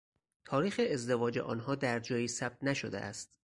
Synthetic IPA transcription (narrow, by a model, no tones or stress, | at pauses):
t̪ʰɒːɾiːxeːzd̪e̞vɒːd͡ʒḛʔɒ̰ːnɦɒːd̪æɾd͡ʒɒːjiːsæb̥̚t̪næʃod̪ḛʔæ̰st̪̚